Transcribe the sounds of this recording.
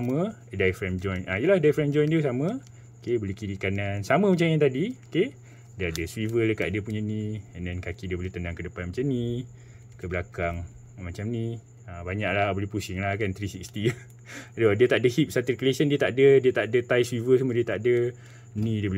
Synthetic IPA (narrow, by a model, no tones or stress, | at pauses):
amə | dajfɾɛmd͡ʒɔjnaijəlahdajfɾɛmd͡ʒɔjndiəsamə̃ | okebolehkiɾikanansaməmat͡ʃamĩt̪adioke | dəadəswivələkaʔdəpuɲənĩɛndɛnkakidiəboleht̪əndaŋkədəpanmat͡ʃamni | kəbəlakaŋ | mat͡ʃamnĩ | abaɲaʔlabolehpusiŋlakant̪ɾisik̚st̪i | dodiət̪aʔdəhip̚sat̪irklesəndiət̪aʔdədiət̪aʔdət̪ajswivəsamə̃diət̪aʔdə | nĩdiəbol